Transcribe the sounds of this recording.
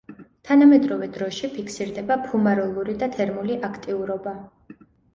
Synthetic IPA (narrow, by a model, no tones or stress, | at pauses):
t̪ʰanamɛd̪ɾɔvɛd̪ɾɔʃipʰikʰsiɾd̪ɛbapʰumaɾɔlˠuɾid̪at̪ʰɛɾmuliʔakʰt̪ʼiuɾɔba